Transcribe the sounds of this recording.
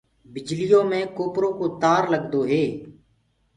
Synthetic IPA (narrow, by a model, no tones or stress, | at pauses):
bɪd͡ʒlijõːmẽːkoːpɾõːkoːt̪aːɾləɡd̪oːɦeː